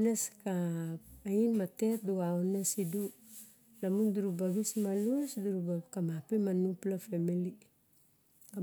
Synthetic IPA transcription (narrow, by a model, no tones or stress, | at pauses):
neskaː | inmate̞t̚duɡaonesidu | lamunduɾubaɡismalusduɾubakamapemanuplafemili | ka